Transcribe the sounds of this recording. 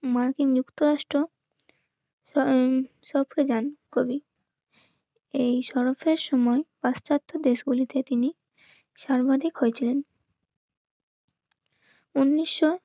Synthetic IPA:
maɾkiŋd͡ʑukt̪oɾaʃʈɾo | ʃɔpʰked͡ʑankobi | ejʃɔɾofeɾʃɔmɔepast͡ɕat̪ʰːod̪eʃɡulit̪et̪ini | ʃaɾbad̪ʱikɦojet͡ɕʰilen | unːiʃːo

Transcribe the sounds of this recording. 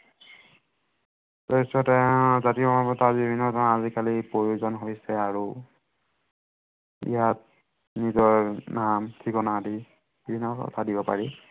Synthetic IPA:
tɔɛsɔtɛzatimapɔtʰabibʱinːɔtʰaazikalipɹoɹiuzɔnɦojsɛaɹu | ḭjat̚ | nizɔɹnamtʰikɔnadi | bibʱinːɔɔ̰tʰadibɔpa̰ɹi

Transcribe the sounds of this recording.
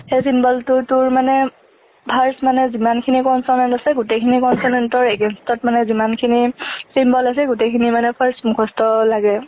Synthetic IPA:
xesimbɔltʊtʊɹmanɛ | pʰaɹsmanɛzimankʰinikɔnsɔnantasɛɡutekʰinikɔnsɔnɛntɔɹeɡɛnstɔtmanɛzimankʰinisimbɔlasɛɡutekʰinimanɛpʰaɹsmukʰɔstɔlaɡɛ

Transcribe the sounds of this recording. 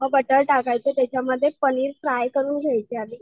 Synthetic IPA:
məɡ̚bəʈəɭʈakajt͡set̪jat͡ɕjaməd̪ʱːjepəniːɾpɾajkəɾuːnɡʱajt͡ɕeali

